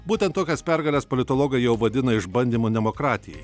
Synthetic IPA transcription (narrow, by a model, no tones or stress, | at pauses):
buːt̪ʲɛnt̪t̪ːoːkʲɛspʲæɾɡɐlʲɛspolʲɪt̪olˠoːɡɐɪjɛʊʋɐd̪ʲɪnɐɪʒbɐnʲd̪ʲimoːd̪ʲɛmokɾɑːt̪ʲɪjɛj